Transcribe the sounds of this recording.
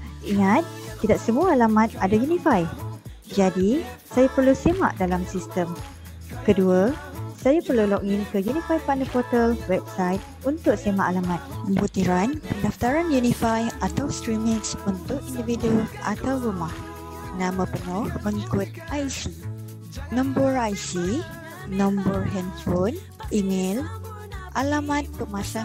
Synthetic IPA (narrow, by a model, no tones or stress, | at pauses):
iŋat̪̚ːidak̚səmuaalamãt̪̚adajunĩfaj | d͡ʒadisajapərlusema̰ʔdalamsist̪əm | kəduasajapərlulɔk̚inkəjunĩfajpanəpɔt̪əlwɛp̚sajt̪̚unt̪ʊk̚semaʔalamãt̪̚əmbut̪iɾanpəndaft̪aɾanjunifajat̪awst̪ɾimĩksunt̪ʊkindividuʔa̰t̪awɾumah | nãmãpənɔ̃hməŋikʊt̪̚ʔajsi | nɔ̃mbəɹajsi | nɔ̃mbərɦɛndfon | imel | ʔalamãt̪̚pəmasa